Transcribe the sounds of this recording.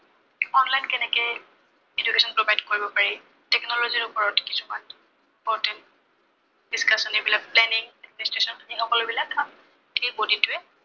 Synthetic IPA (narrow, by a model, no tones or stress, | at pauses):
ɔnlajnkɛnɛkɛj | ed͡ʒukesɔnpɹɔbajdkoɹibɔpaɹi | tɛknɔlɔziɹʊpɔɹɔtkisuman | impɔɹtɛnt | diskʰasɔnebilak̚plɛniŋadministɹesɔnixɔkɔlobilakan | tebodituɛ